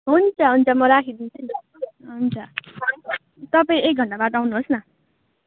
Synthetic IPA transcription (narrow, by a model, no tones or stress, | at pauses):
ɦunt͡sʰʌɦunt͡sʌmʌɾakʰid̪int͡sʰʌn | ɦunt͡sʰʌ | t̪ʌp̬aĩek̚ɡʱʌɳɖabad̪awnuɦosnʌ